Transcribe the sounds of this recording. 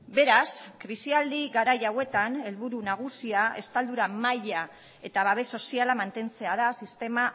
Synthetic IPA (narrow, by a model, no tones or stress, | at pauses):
be̞ɾaskɾisiald̪iɣaɾajawe̞t̪ane̞lβuɾunaɣ̞usiae̞st̪ald̪uɾamaja | e̞t̪aβaβ̞e̞so̞sialamant̪e̞nt͡se̞að̞asist̪e̞ma